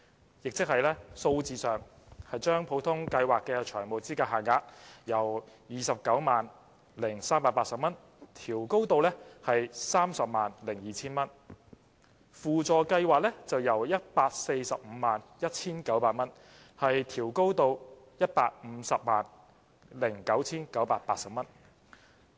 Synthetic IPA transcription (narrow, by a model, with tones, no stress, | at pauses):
jɪ˨k̚t͡sɪ˥k̚hɐ˨jlɛː˥so˧wt͡siː˨˧sœː˨ŋ | hɐ˨jt͡ʃœː˥ŋpʰo˨˥wt̪ʰʊ˥ŋkɐ˧jwaː˨kːɛː˧t͡ʃʰœː˨˩ŋmo˨˩t͡siː˥kaː˧ɦaː˨˩ŋaː˧t̚jɐ˨˩wjiː˨˩sɐ˨p̚kɐ˨˥wmaː˨n | lɪ˨˩ŋsaː˥mpaː˧t̚paː˧tsɐ˨p̚mɐ˥n | t̪ʰiː˨˩wko˥wt̪o˧wlɛː˥hɐ˨jsaː˥msɐ˨p̚maː˨˩nlɪ˨˩ŋjiː˨t͡sʰiː˥nmɐ˥n | fuː˨t͡sɔː˨˩kɐ˧jwaː˨k̚lɛ˥t͡sɐ˨wjɐ˨˩wjɐ˥t̚paː˧k̚se˧jsɐ˨p̚m̩ː˨˧˦maː˨njɐ˥t̚t͡sʰiː˥nkɐ˨˥wpaː˧t̚mɐ˥n | hɐ˨jt̪ʰiː˨˩wko˥wt̪o˧w | jɐ˥t̚paː˧t̚m̩ː˨˧sɐ˨p̚ma̰ː˨n | lɪ˨˩ŋkɐ˨˥wt͡sʰiː˥nkɐ˨˥wpaː˧t̚paː˧t̚sɐ˨p̚mɐ˥n